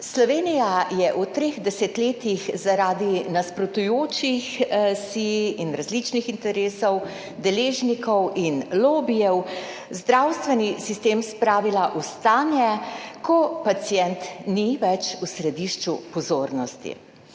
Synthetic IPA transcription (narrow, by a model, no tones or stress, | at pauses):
slɔʋeːnijajɛʔut̪ɾeːɣd̪ɛsɛt̪leːt̪ixzaɾaːd̪inaspɾɔt̪ujoːt͡ʃixsiinɾazlit͡ʃnixint̪ɛɾeːsɔw | d̪ɛleːʒnikɔwinloːbijɛw | zd̪ɾawst̪ʋɛnisist̪eːmspɾaːʋilaʔust̪aːnjɛkɔpat̪sijɛnt̪niʋɛt͡ʃusɾɛd̪iʃt͡ʃupɔzoːɾnɔst̪ḭ